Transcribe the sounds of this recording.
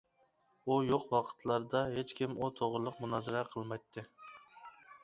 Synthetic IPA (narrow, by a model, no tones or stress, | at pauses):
ujoqwɑqʰə̥t̪ʰlˠɑɾd̪ɑɦet͡ʃkʲimut̪ʰoʁɾʊlˠəqmunɑːzɨɾɛqʰəlˠmɑjt̪ʰːɨ